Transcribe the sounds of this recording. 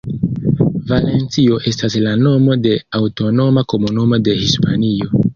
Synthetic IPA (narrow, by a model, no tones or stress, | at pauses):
vale̞nt͡sio̞ʔe̞staslano̞mo̞de̞awto̞no̞mako̞munumo̞de̞hispanio̞